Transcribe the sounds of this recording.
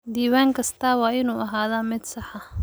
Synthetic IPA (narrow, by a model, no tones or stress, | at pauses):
d̪iːwaːŋkʰɐst̪ʰaːwɑːʔɪnuːʔɐɦaːðamɪd̪sɑħɑ